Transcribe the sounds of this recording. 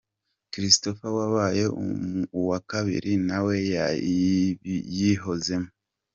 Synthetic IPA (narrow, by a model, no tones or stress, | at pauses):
kɾisto̞fawaβaje̞ṵwakaβḭɾinawe̞ja̰ | jiɦo̞ze̞mo